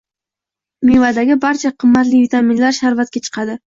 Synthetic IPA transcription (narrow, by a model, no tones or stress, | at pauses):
mivad̪aɡʲɪbaɾt͡ʃʰaqʰɨmːat̪lɪvit̪aminlaɾʃaɾvat̪̚kʲat͡ʃʰɨ̥qʰɑd̪ɪ